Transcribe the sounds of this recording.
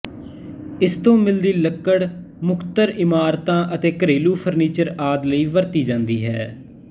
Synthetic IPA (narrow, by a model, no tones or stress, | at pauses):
ɪst̪õːmɪld̪iːləkːəɽ | mʊkʰt̪əɾɪmaːɾt̪ãːʔət̪eːkəɾeːluːpʰəɾniːt͡ʃəɾaːd̪ləiːʋəɾt̪iːd͡ʒãːnd̪iːɦɛː